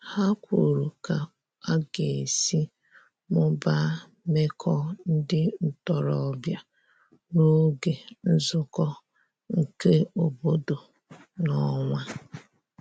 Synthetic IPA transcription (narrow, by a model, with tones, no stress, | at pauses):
ha˦kʷu˨ɾu˨ka˨ | a˦ɡe˨e˨si˦ | mʊ˦ba˦ | me˦kʰɔ˦n̩˦dɪ˦n̩˨tɔ˨ɾɔ˨˦˨bja˦˨ | no˦ɡe˨n̩˦zʊ˨kɔ˦ | ŋ̩˨ke˦o˨bo˦do˨ | nɔ˦ŋʷa˦